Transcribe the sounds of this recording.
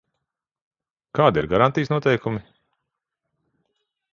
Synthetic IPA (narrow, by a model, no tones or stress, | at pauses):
kaːd̪ḭɾɡaɾant̪ijsnuɔt̪ɛjkumi